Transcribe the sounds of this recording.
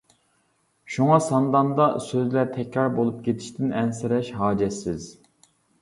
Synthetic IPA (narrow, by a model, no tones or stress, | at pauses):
ʃuŋɑsɑnd̪ɑnd̪ɑsøzlæɾt̪ʰɛkʲɾɑɾbolˠup̚kʲet̪ʰi̥ʃt̪ʰɪnɛnsɪɾɛʃɦɑːd͡ʒɛsːɪz